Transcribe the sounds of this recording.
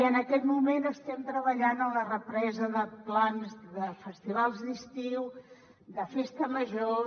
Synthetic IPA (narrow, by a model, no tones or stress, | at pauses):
ənəkɛt̪mumenəst̪ɛmt̪ɾəβ̞əʎanələrəpɾɛzəðəplanzðəfəst̪iβ̞alˠzðist̪iw | ðəfest̪əməʒo